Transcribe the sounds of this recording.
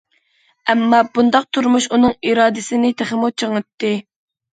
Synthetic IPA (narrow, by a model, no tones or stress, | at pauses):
ɛmːɑbund̪ɑq̚t̪ʰuɾmuʃunɨŋiɾɑːd̪ɪsɪnɪt̪ʰæχɪmut͡ʃʰəŋɨt̪ːɨ